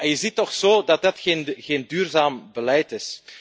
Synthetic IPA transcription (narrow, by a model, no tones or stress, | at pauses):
ɛnjəzitːɔxsoːdɑtdɑtxeːnɣeːndyːrzaːmbəlɛjtɪs